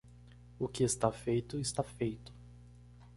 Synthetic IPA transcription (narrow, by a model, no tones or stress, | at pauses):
ʊkɪest̪afejt̪ʊɪst̪afejt̪ʊ̥